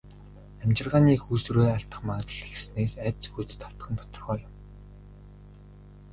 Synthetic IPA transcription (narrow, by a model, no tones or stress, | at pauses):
æmt͡ɕɪ̆rʁaːniːxuːsuɾeːaɬt̪ə̆χmaːt̪ə̆ɮexsneːsæt̪t͡sxut͡s̪̆t̪ʰaw̥t̪̆χə̆nt̪ʰɔ̥t̪ɞ̆rʁœːjʊm